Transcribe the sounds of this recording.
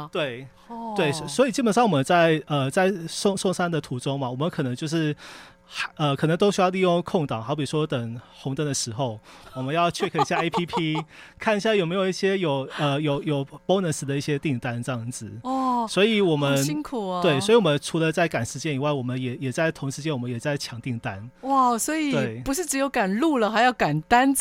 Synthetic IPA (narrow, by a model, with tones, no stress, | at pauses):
t̪we˥˩ɪ | t̪we˥˩ɪ˧swɔ˧˥i˨˩t͡ɕi˥pə˨nʂ̬ɑ˥˩ŋwɔ˨˩mə˧˦nt͡sa˥˩ɪə˨˩t͡sa˥˧ɪʂʊ˥˧ŋʂʊ˥˧ŋʂa˥nd̪ə˨t̪ʰu˧˥ʈ͡ʂʊ˥ŋma˨wɔ˨˩mə˦nkʰɤ˨˩nə˧˥ŋt͡ɕjo˥˧ʊʂɻ̩˥˩˧ | ə˧kʰnɤ˧˦ŋt̪o˥ʊɕy˥jɑ˥˧ʊli˥˧jʊ˥˧ŋkʰʊ˥˧ŋt̪ɑ˨˦ŋxʊpi˨˩ʂwɔ˥t̪ə˨˩ŋxʊ˧˥ŋt̪ə˧˩ŋd̪ə˨ʂɻ̩˧˥xo˥˩ʊwɔ˨˩mə˧˦njɑ˥˧ʊt͡ɕʰɛ˥˧kʰə˥˩ɕja˥˧e˥ɪpʰi˥pʰi˥kʰa˥˧ni˧ɕja˥˩jo˨˩ʊme˧˥ɪjo˨˩ʊi˥˩ɕjɛ˥jo˨˩ʊə˧jo˨˩ʊjo˨˩ʊpo˥ʊnə˧˥nʂ̩˧˥d̪ə˧i˥˩ɕjɛ˥t̪i˥˩ŋt̪a˥nʈ͡ʂɤ˥˧jɑ˥˩ŋd͡zɹ̩˨˩ɔ˥˩swɔ˧˥i˨˩wɔ˨˩mə˦nɕi˥ŋkʰu˨˩˧we˥˩ɪsɔ˧˥i˨˩wɔ˨˩mə˧˦nʈ͡ʂʰu˧˥lə˧t͡sa˥˩ɪka˨˩nʂɻ̩˧˥t͡ɕjɛ˥ni˨˩wa˥˩ɪwɔ˨˩mə˦njɛ˨˩jɛ˨˩t͡sa˥˩ɪt̪ʰʊ˧˥ŋʂɻ̩˧˥t͡ɕjɛ˥nwɔ˨˩mə˦jɛ˨˩t͡sa˥˩ɪt͡ɕʰjɑ˧˥˦ŋt̪i˥˩ŋt̪a˦nwa˥˩swɔ˧˥i˨˩t̪we˥˩ɪpu˧˥ʂɻ̩˥˩ʈ͡ʂɻ̩˧˥jo˧˥ʊka˨˩nlu˥˩lə˨xa˧ɪjɑ˥˩ʊka˨˩nt̪a˥n